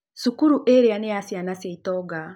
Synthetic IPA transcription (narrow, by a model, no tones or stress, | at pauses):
sukuɾuʔeɾeanejasjanasjaitɔɡa